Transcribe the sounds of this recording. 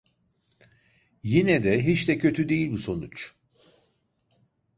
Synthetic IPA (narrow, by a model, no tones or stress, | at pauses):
jinɛd̪ɛɦit͡ʃd̪ɛcʰø̞t̪ʰyd̪ejilʲbiso̞nut͡ʃ